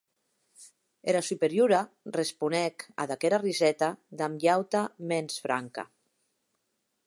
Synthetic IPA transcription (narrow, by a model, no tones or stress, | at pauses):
eɾasypeɾjuɾa | respunɛka̰ðakɛɾarizɛt̪ad̪amʎawt̪amɛnsfɾaŋka̰